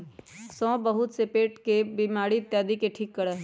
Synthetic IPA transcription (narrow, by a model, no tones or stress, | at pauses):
sɔ̃ːbəɦʊt̪sepeːʈkebimaːɽit̪jaːd̪ikeʈʰiːkːəɽeɦ